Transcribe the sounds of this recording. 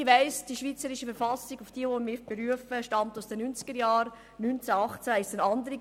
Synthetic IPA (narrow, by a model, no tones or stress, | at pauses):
ʋæɪsd̥iʃviːt͡səɾɪʃəfəɾfɑsɪɡʊfd̥iːʋomɪɾb̥eɾyəfəʃtɑmtʊsd̥ɛnynt͡sɡ̥əɾjɑːɾ | nynt͡sæɑχt͡sæɪstənɑndəɾi